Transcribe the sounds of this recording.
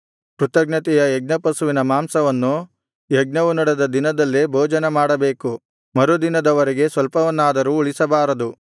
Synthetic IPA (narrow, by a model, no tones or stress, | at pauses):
kɾut̪ɐɡnɐt̪ɛjɐjeɡ̚nɐpɐsuʋinɐmaːmsɐʋɐnːu | jeɡnɐʋunɐɽed̪ɐd̪inɐd̪ɐlːibʱoːd͡ʒɐnemaːɽɐbe̞ːku | mɐɾud̪inɐd̪ɐʋɐɾɛɡe̞sʋɐlpɐʋɐnːaːd̪ɐɾuuɭisɐbaːɾɐd̪u